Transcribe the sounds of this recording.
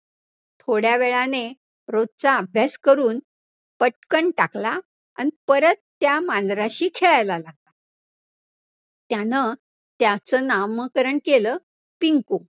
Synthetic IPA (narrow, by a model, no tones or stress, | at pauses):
t̪ʰoɽjaʋeɭane | ɾod̪̚t͡saːbʱjaskəɾuːn | pəʈkəɳʈakla | ə̰nipəɾət̪ːjamanɾaɕiːkʰeɭajlalaɡ̚la | t̪janə | t̪jat͡səːnamːəkəɾəɳkeləː | piŋko